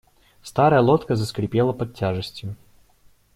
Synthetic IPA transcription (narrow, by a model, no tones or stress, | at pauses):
st̪aɾəjəlˠot̪kəzəskɾʲɪpʲelˠəpɐtʲːaʐɨsʲtʲjʊ